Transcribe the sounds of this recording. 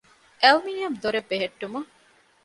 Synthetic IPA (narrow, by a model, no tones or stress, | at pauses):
ʔɐlmiːnijɐmd̪oɾebːeɦeʈːumɐ